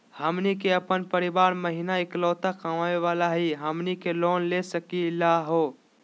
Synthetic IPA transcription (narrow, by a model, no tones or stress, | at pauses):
həmnikeəpənpəɾibaːɾməɦinaiklɔːt̪akʰamaeʋalaɦiɦəmnikeloːnlesəkilaɦo